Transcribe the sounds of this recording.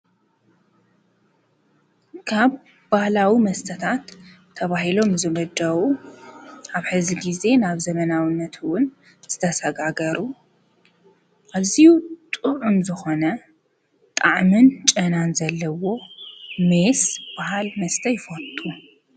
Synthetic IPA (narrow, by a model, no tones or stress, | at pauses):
kʰaβ | bahlawimɐst̪ʰɐt̪ʰat̪ʰː | ɐβahilo̞mzɨmɐd̪ɐwu | ʔaβħɨziɡize̞naβzɐmɐnawɨnːɐt̪ʰwʊn | z̥ɨt̪ʰɐsɐɡaɡɐɾu | ʔaβzijut̪ʼuʕumzɨxo̞nɐ | t̪ʼaʕmɨnt͡ʃʼɐnanzɐlːɐwo̞mesb̥aɦalmɐst̪ʰɐjɪfɐt̪ʼːu